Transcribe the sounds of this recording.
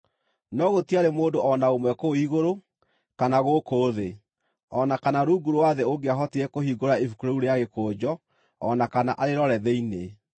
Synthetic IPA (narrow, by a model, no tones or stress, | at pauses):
nɔɣotiaɾemoːdoʔɔnaomwɛkoiɣoɾo | kanaɣokoːðe | ɔnakanaɾuːɡuɾowaðeoɡeaɦɔtiɾɛkohiɡoɾaefukuɾouɾeaɣekoːd͡ʑɔ | ɔ̰nakanaʔaɾeɾɔɾɛðeine